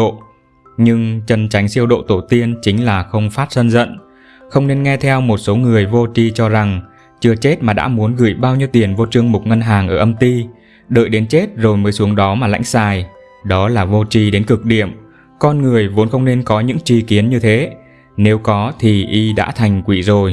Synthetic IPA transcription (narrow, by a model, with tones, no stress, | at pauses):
o̰˧˨ | ɲɨ˧ŋt͡ɕə˧nt͡ɕa˨˦jŋ̟si˧əwɗo̰˧˨t̪o˧˩t̪i˧ənt͡ɕï˨˦ŋ̟laː˨˩xə˧wŋ͡mfaː˦˥t̚sə˧nzə̰˧˨n | xə˧wŋ͡mne˧nŋɛ˧t̪ʰɛ˧wmo˨˩t̚so˨˦ŋɨ˨˩əjvo˧t͡ɕi˧t͡ɕɔ˧za˨˩ŋ | t͡ɕɨ˧ət͡ɕe˦˥t̚maː˨˩ɗa̰ː˧˥mu˨˦ənɣɨ̰˧˩jɓaː˧wɲi˧wt̪i˨˩ənvo˧t͡ɕɨ˧əŋmʊ˨˩k͡p̚ŋə˧nɦaː˨˩ŋʔəː˧˩ʔə˧mt̪i˧ | ɗə̰ː˧˨jɗe˨˦nt͡ɕe˦˥t̚zo˨˩jməː˨˦jsu˨˦əŋɗɔ˨˦maː˨˩la̰˧˥jŋ̟saː˨˩j | ɗɔ˨˦laː˨˩vo˧t͡ɕi˧ɗe˨˦nkɨ˨˩k̚ɗḭ˧˨əm | kɔ˧nŋɨ˨˩əjvo˨˦ənxə˧wŋ͡mne˧nkɔ˨˦ɲɨ̰˧˥ŋt͡ɕi˧ki˨˦ənɲɨ˧t̪ʰe˨˦ | ne˨˦wkɔ˨˦t̪ʰi˨˩ʔi˧ɗa̰ː˧˥t̪ʰa˨˩jŋ̟kwi˧˩zo˨˩j